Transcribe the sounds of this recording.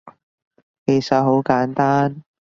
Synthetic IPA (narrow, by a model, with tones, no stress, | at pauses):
ke˨˩jsɐ˨t̚ɦo˨˥wkaː˨˥nt̪aː˥n